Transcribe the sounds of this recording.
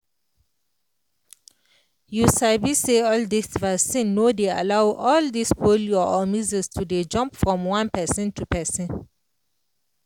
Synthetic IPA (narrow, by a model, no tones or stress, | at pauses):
jusabiseɔldisvasĩnːodea̰laʊwʔɔldisfoljɔɔmizistʰuded͡ʒɔ̃mpfɹɔ̃mwãnpɛsĩntʰupɛsĩn